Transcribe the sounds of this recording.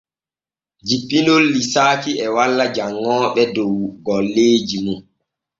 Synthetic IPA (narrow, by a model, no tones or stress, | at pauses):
d͡ʒipːinolːisaːkiɛwalːad͡ʒaŋːɔːɓɛdɔwɡɔlːeːd͡ʒimun